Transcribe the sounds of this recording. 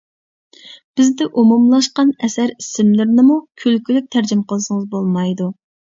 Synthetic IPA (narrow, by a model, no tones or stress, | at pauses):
b̥ɪzd̪ɪʔumumlˠɑʃqɑnɛsæɾisɪmlɪɾnɪmukʲʰylkʲylyk̚ʲt̪ʰæɾd͡ʒɪmqəlˠʃɨŋəzbolˠmɑjd̪u